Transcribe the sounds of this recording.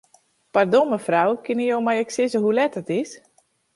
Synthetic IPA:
pardoməfrawkɪnijowmajɛksɪzəɦulɛtətɪs

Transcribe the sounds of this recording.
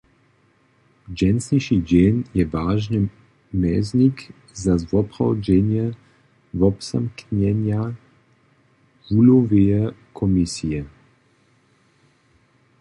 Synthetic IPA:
d͡ʒɛnsniʃid͡ʒenjɛvaːʒni | mɛznik | zazvɔpɾɔwd͡ʒɛnjɛ | vɔpsamknɛnja | vuloveɛkʰɔmisijɛ

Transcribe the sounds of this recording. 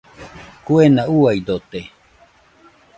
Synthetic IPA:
kuenauaid̪ot̪e

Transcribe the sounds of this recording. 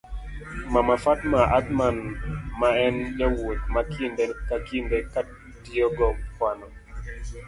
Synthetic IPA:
mamafatmaʔatmanmaɛnd͡ʒawot̚makʰindekakindekat | diɔɡɔkwanɔ

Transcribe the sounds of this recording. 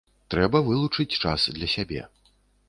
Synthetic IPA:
t̪ɾɛbɐvɨlˠut͡ʂɨt͡sʲt͡ʂa̰sd̪lʲɐsʲabʲɛ̰

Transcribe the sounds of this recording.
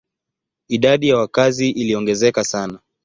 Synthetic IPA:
iɗaɗijawakaziʔiliɔŋɡɛzɛkasana

